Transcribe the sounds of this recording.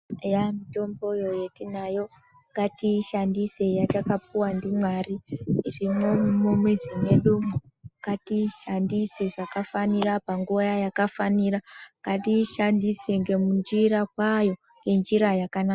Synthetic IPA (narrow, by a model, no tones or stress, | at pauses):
jamito̞mbo̞jo̞jetinajo̞ | ŋɡatiʃandise̞jatakapuwandimwariːrimomomwizime̞ɗumuŋɡ̥atiʃandiseʐakafaniɾapaŋɡojajakafaniraŋɡatiʃandiseŋɡe̞mund͡ʒiɾakwajo̞ | ŋɡe̞nd͡ʒiɾajakanaa